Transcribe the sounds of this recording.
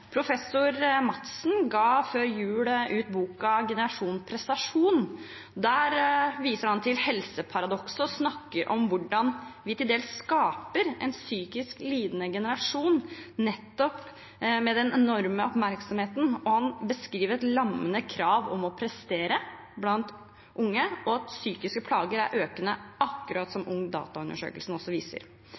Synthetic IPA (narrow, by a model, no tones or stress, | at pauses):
pʰɾʊfɛsːʊɾmɑt̪sn̩ɡɑːføːɾjʉːləʔʉːt̪̚buːkɑɡɛnəɾɑʂuːnpʰɾɛst̪ɑʂuːn | d̪æːɾʋiːsəɾhɑnt̪ʰɪlhɛlsəpʰɑɾɑd̪ɔksəɔsnɑkːəɾʔɔmʋʊɖɑnʋɪt̪ɪld̪eːlsskɑːpəɾɛ̰nsyːkɪskliːd̪nəɡɛnəɾɑʂuːnːɛt̪ːɔp | mɛd̪ɛnɛnɔɾməɔpmæɾksɔmheːt̪n̩ɔhɑnbəskɾiːʋəɾɛt̪lɑmːənəkʰɾɑːʋɔmɔpʰɾɛst̪eːɾə | blɑnt̪ | ʔʊŋːəɔɑt̪syːkɪskəpʰlɑːɡəɾæ̰ɾʔøːkənəɑkːʉɾɑːt̪sɔmʔʊŋːd̪ɑ̰ːt̪ɑʉnd̪əʂø̰ːkəlsn̩ɔsːɔʋiːsə̰ɾ